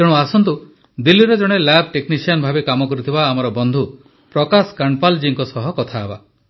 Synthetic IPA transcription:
d͡ʒeɽ̃uasɔnt̪u | d̪ilːiɾɔd͡ʒɔɽ̃elab̚ʱʈeknisiɔnbʱabekamɔkɔɾut̪ʰibaːmɔɾɔbɔnd̪ʱu | pɾɔkaskaɳɖpald͡ʒiŋkɔsɔɦɔkɔt̪ʰaeba̰

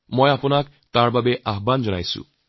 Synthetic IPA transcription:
mʌjapunak | t̪aɾbabeʔaɦband͡zʌna̰jsṵ

